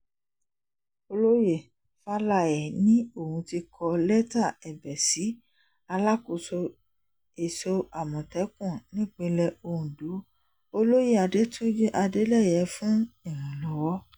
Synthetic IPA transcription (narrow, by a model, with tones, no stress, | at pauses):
o˧lo˦je˦˨ | fa˦la˦˨ɛ˨nĩ˦o˦˨hũ˧ti˧kʰɔ˧lɛ˦ta˦˨ɛ˨bɛ˨si˨˦ | a˧la˦ko˧˨so˧ | e˨so˧a˨mɔ̃˨tɛ˨˦kũ˦˨nĩ˦˨k͡pĩ˧lɛ˧o˧ũ˨do˨˦ | o˧lo˦je˦a˧de˨˦tũ˦je˦ʔa˧de˨˦lɛ˦˨jɛ˨˦fũ˦i˦˨ɾ̃ũ˨lɔ˨˦wɔ˦